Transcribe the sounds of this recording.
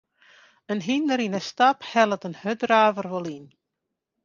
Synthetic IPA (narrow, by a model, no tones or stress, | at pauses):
ənɦinːəɾinəstaphɛlˠətənhødraːvərʋɔlˠin